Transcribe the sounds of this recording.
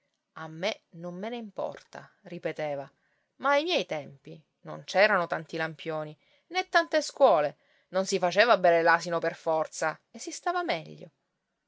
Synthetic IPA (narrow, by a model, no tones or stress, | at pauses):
amːenomːeneimpɔ̰rt̪a̰ripet̪eːva | maːjmjɛjt̪ɛmpi | no̰nt͡ʃɛːɾanot̪ant̪ilampjoːni | net̪ːant̪eskwɔːle | nonsifat͡ʃeːvabɛɾelaːsinoperfɔrt̪saesːist̪aːvamɛʎːo̰